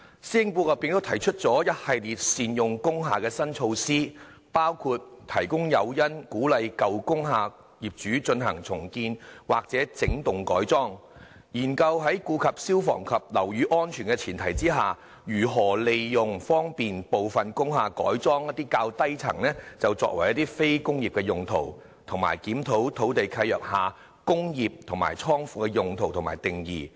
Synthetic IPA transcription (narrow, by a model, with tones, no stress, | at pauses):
siː˥ɪ˨ŋpuː˧kɐ˨piː˨˧ŋt̪o˥wt̪ʰɐ˨˩jt͡ʃʰɵ˥t̚t͡sɔː˨˥jɐ˥t̚hɐ˨jliː˨˩t̚siː˨˧njʊ˨ŋkʊ˥ŋɦaː˨kɛː˧sɐ˥nt͡ʃʰo˧wsiː˥ | paː˥wkʰuː˨˧t̚t̪ʰɐ˨˩jkʊ˥ŋjɐ˨˧wjɐ˥nkuː˨˥lɐ˨˧jkɐ˨wkʊ˥ŋɦaː˨˧ | jiː˨˩p̚t͡ʃyː˨˥t͡sɵ˧nɦɐ̰˨˩ŋt͡sʰʊ˨˩ŋkiː˧nwaː˨k̚t͡sɛː˨˥t͡sɪ˨˥ŋt̪ʊ˨ŋkɔ̰ː˨˥jt͡sɔː˥ŋ | jiː˨˩nkɐ˧wɦɐ˨˥jkuː˧kʰɐ˨p̚siː˥wfɔ̰ː˨˩ŋkʰɐ˨p̚lɐ˨˩wjyː˨˧˥ʔɔː˥nt͡ʃʰyː˨˩nkɛ˧t͡sʰiː˨˩nt̪ʰɐ˨˩jt͡siː˥ɦaː˨ | jyː˨˩ɦɔː˨˩le˨jjʊ˨ŋfɔː˥ŋpiː˨npo˨wfɐ˨nkʊ˥ŋɦaː˨˧kɔ̰ː˨˥jt͡sɔː˥ŋjɐ˥t̚t̪iː˥kaː˧wt̪ɐ˥jt͡sʰɐ̰˨˩ŋnɛː˥t͡sɐ˨wt͡sɔ̰ː˧k̚wɐ˨˩jɐ˥t̪iː˥fe˥jkʊ˥ŋjiː˨p̚kɛ˧jʊ˨ŋt̪ʰo˨˩w | t̪ʰʊ˨˩ŋma̰ː˨˩jkiː˨˥mt̪ʰo˨˥wt̪ʰo˨˥wt̪e˨jkʰɐ˧jœː˨k̚haː˨˧ | kʊ˥ŋjiː˨p̚t̪ʰʊ˨˩ŋma̰ː˨˩jt͡sʰɔː˥ŋfuː˧kɛ˧jʊ˨ŋt̪ʰo˨˩wt̪ʰmaː˨˩jt̪ɪ˨ŋjiː˨